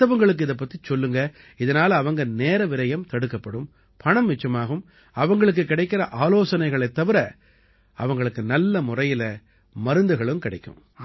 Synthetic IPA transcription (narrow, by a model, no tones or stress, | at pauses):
ɐʋɐŋɡɐɭɯk̬ːɯɪðɐp̬ːɐt̪ːit͡ʃɔlːɯŋɡɐ | ɪðɐnaːlɐːʋɐŋɡɐneːɾɐʋɪɾɐjɐmt̪ɐɽɯkːɐpːɐɽɯm | pʰɐɳɐmʋɪt͡ʃːɐmaːɣɯm | ɐʋɐŋɡɐɭɯk̬ːɯkːɪɽɐɪkːɪɾɐʔaːloːsɐnɐɪɣɐɭɐɪt̪ːɐʋɪɾɐ | ɐʋɐŋɡɐɭɯkːɯnɐlːɐmʊrɐjɪlɐ | mɐɾɯnd̪ɯɣɐɭɯmkɪɽɐɪkːɯ̰̃m